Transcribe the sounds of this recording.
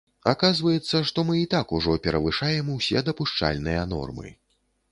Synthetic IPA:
akazvɐjɛt̪sːɐʂt̪ɔmɨit̪akuʐɔpʲɛɾɐvɨʂajɛmwsʲɛd̪ɐpuʂt͡ʂa̰lʲnɨjɐnɔ̰rmɨ̰

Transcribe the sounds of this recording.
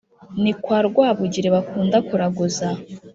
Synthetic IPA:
nikwaɾɡwaːβuɟiɾeβakuːndakuɾaɡuza

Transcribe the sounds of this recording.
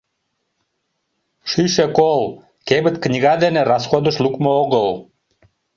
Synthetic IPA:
ʃyʃekol | kebə̆t̪knʲiɣɑd̪eneɾɑsxod̪əʃlukmooɣəl

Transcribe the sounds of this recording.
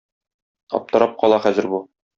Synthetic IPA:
ɒ̰p̚t̪ɤ̆ɾɑp̚qɒlˠɑχæzɘ̆ɾbu

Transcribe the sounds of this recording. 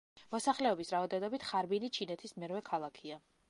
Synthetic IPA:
mɔsaχlɛɔbisɾavad̪ɛnɔbit̪ʰχaɾbinit͡ʃʰinɛt̪ʰismɛɾvɛkʰalˠakʰia

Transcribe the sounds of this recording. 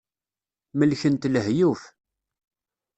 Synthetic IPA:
məlçənt̪ləɦjuf

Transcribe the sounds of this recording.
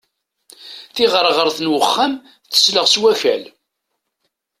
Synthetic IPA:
θiʁəɾˤʁəɾθnwəχːam | θə̥sləʁswæfæ̰l

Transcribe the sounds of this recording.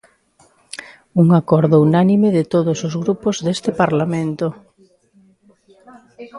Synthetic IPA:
uŋakɔɾðʊunanimɪðɪt̪oðosozɣɾupozðest̪ɪpaɾlamẽnt̪o

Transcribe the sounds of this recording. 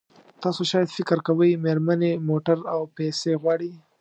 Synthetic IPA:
t̪ɑsoʃɑjad̪fɪkɾkawəjmeɾmanemoʈaɾawpeseɣwɑɽi

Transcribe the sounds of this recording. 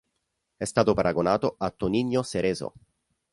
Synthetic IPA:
ɛst̪aːt̪opaɾaɡonaːt̪oʔat̪ːoniɲːoseɾeːzo̰

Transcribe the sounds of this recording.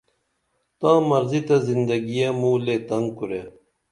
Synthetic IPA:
t̪ãːmɐɾzit̪ɐzind̪ɐɡijamulet̪ɐŋɡkuɾe

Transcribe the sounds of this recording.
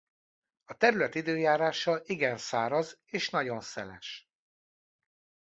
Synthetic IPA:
ɒt̪ɛɾylɛt̪id̪øːjaːɾaːʃɒʔiɡɛnsaːɾɒzeːʃnɒɟo̞nsɛlɛ̰ʃ

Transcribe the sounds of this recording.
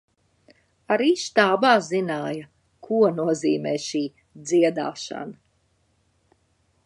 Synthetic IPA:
aɾiːʃt̪aːbaːzinaːjɐ | kʰuɔnuɔziːmɛːʃiː | d̪ziɛd̪a̰ːʃa̰nɐ

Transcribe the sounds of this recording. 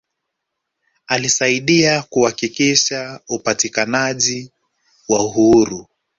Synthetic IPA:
alisaiɗiakuhakikiʃaupatikanaʄi | wauɦuɾu

